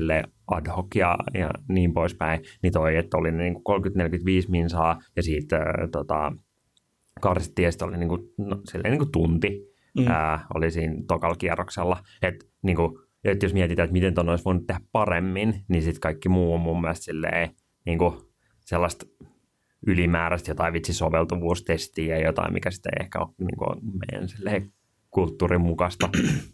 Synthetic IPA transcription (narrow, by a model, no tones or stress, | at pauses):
lːei | ɑdhokjɑ̰jɑ̰niːmpoispæinit̪oiet̪ːolinniːŋku̥kolmkyt̪nelkyt̪ʋiːsminsɑːjɑsiːt̪ə̰t̪ot̪ɑ̰ | kɑrsit̪ːiːjɑsi̥t̪oliniːŋkunosilːḛiniːŋkut̪unt̪i | əːo̰lisiːnt̪okɑlkiɛrokselːɑ | et̪ | niːŋku | et̪josmiɛt̪it̪æet̪mit̪ent̪onːoisʋoinut̪t̪ːehæppɑremːinnisit̪kɑikːimuːommumːiælst̪silːḛi | niːŋku | selːɑst̪ | ylimæːɾæst̪jot̪ɑiʋit̪sisoʋelt̪uʋuːst̪est̪iːjɑjot̪ɑ̰ḭmḭkæsi̥t̪ḛḛhkæ̰o̰nḭːŋkṵmḛijæ̰nsilːḛi | kult̪ːuːrimmukɑst̪ɑ